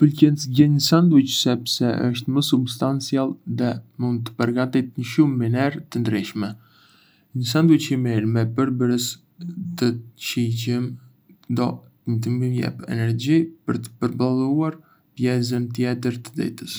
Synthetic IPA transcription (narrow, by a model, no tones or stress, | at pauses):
pəlcɛnt͡sɟɛɲəsand̪ut͡ʃsɛpsɛə̰ʃt̪məsubst̪ant͡sialˠðɛmund̪̚t̪ə̥pəɾɡat̪it̪̚ɲəʃumːinɛɾt̪ənd̪ɾiʃmɛ | ɲəs̬and̪ut͡ɕimiɾmɛpəɾbəɾəs | t̪ət͡ʃicəm | d̪ɔ | əɲət̪əmimjɛ̰pɛ̰nɛɾd͡ʑipəɾt̪ə̥pəɾbalˠuaɾ | pjɛzənt̪̬jɛt̪əɾt̪əd̪ɛ̰t̪əs